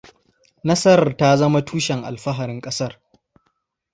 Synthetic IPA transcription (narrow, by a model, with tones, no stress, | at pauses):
nɐ˦sɐ˦ɾta˦zɐ˦ma˦tʰuː˦ʃɛ˨ŋʔa̰˨lɸɐ˦ɦa˨ɾɪ˦ŋkʼɐ˦sɐ˦r